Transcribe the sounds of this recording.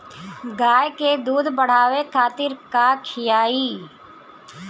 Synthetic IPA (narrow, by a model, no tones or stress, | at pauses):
ɡaːjked̪uːd̪ʱbəɽ̤aːʋekʰaːt̪ɪɾkakʰɪjaːiː